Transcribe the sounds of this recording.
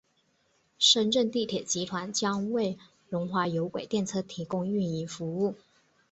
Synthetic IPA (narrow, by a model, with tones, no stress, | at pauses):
ʂə˥nʈ͡ʂə˥˧nt̪i˥˩t̪ʰjɛ˨˩t͡ɕi˧˥t̪ʰwa˧˥nt͡ɕjɑ˥ŋwe˥˩ɪ | ɻʊ˧˥ŋxwa˧˥jo˧˥ʊkwe˨˩ɪt̪jɛ˥˧nt͡sʰɤ˥˩t̪ʰi˧˥kʊ˥ŋy˥˩ni˧˥fu˧˥u˥˩